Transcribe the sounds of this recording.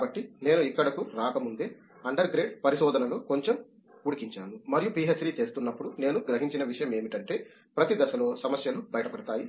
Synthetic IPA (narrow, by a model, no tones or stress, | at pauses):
kaːbɐʈːine̞ːnuikːɐɽɐkuɾaːkɐmund̪eː | ɐɳɖɐɾɡɾe̞ːɖpɐɾiʃɔːd̪ɐnɐloko̞ɲt͡ʃem | kuɽikiɲt͡ʃaːnumɐɾijupiːɦet͡ʃɾiːt͡ʃe̞ːst̪unːɐpːuɽune̞ːnuɡɾɐɦiɲt͡ʃinɐʋiʂɐjɐme̞ːmiʈɐɳʈe̞ː | pɾɐt̪id̪ɐsɐlo̞ːsɐmɐsjɐlubɐjɐʈɐpɐɽɐt̪aːji